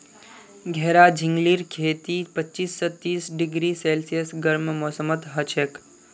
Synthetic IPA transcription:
ɡʱɛɦɾad͡ʒʱɪ̃ŋɡliːɾkʰeːt̪ipətːt͡ʃiːsːɔt̪ːiːsɖɪɡɾiseːlsijəsɡəɾmmɔːsəmət̪ɦət͡ʃek

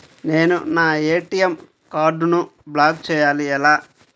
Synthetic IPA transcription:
ne̞ːnunaːeːʈijem | kaːɾɖunublaːd̚t͡ʃɛːjaːliɛlaː

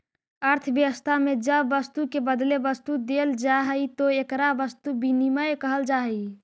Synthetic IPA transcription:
əɾt̪ʰəbjəʋəst̪ʰamed͡ʒəbːəst̪ukebəd̪lebəst̪ud̪eld͡ʒaɦəjt̪oekɾabəst̪ubiniməjkəɦəld͡ʒaɦəi

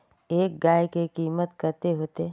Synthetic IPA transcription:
eːk̚ɡaːekekiːmət̪kəɾt̪eɦoːt̪e

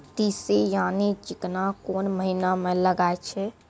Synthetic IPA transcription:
t̪isejanid͡ʒiknakonməɦinamẽləɡaet͡ʃʰɛ

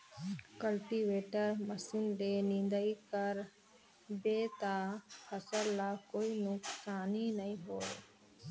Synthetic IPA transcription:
kəlʈiːʋeːʈəɾməsind̪eːnɪ̃nd̪əikəɾ | beːt̪aːhəsəllaːkoːinʊksaːninəĩːɦoːe

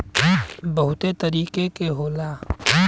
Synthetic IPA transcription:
bɐɦʊt̪et̪ɐɾiːkekeɦoːlaː

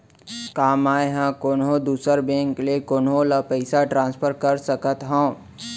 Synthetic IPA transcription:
kaːmaːeɦãkoːnɦõd̪uːsəɾbẽːŋklekoːnɦõlapəɪsaʈɾãːnspʰəɾkəɾsəkət̪ɦõː

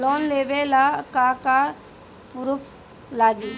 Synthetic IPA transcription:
lɔːnleːʋelakaka | pʊɾʊpʰ | laːɡiː

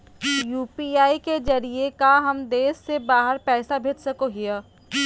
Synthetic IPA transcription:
juːpiːaːiked͡ʒɐɾiekaɦɐmd̪eːsːebaːɦəɾpɛːsabʱeːd͡ʒsɐkoɦɪja

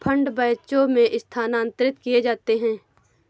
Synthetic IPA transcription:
pʰə̃ɳɖbəjt͡ʃomẽʔɪst̪ʰaːnaːə̃nt̪əɾɪt̪kied͡ʒaːt̪eɦɛ̃ː

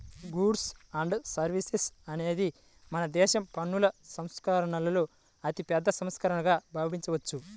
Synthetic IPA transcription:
ɡuːɖsɐːɳɖsɐɾʋisesɐne̞ːd̪i | mɐnɐd̪ɛːʃɐmpɐɳːulɐsɐmskɐɾɐɳɐlɐloː | ɐt̪ipɛːd̪ːɐsɐmskɐɾɐɳɐɡaːbʱaːbʱiɲt͡ʃɐʋɐt͡ʃːu

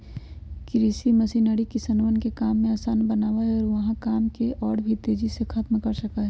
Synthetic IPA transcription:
kɾisimɐsiːnəɽikɪsənʋənkekaːmːẽaːsaːnbɐnaːʋaɦɛɔːɾʋɐɦãkaːmkeʔɔːɽbʱit̪eːd͡ʒisekʰaːt̪mkɐɾsɐkaɦɛ

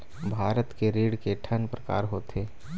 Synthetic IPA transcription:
bʱaːɾət̪keɾiːɽkeʈʰənpɾəka̰ːɾɦot̪ʰeː

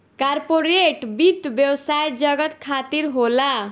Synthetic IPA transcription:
kaɾpoɾeʈbid̪bjəwsajd͡ʒʌɡət̪kʰat̪iɾɦola

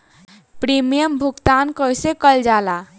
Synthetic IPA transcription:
pɾimijəmbʱukt̪ankəjsekəld͡ʒala

